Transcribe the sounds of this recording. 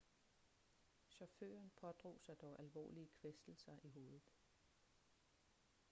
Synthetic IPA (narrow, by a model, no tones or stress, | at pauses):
ɕɒfø̰ːɐnpʰɒ̽d̥ʁo̝̰ːsɑ̈ɪd̥ɒʊʔælʋɒ̰ːliəkʰʋesd̥l̩sɐʔiɦo̝ːðˠð̩ˠ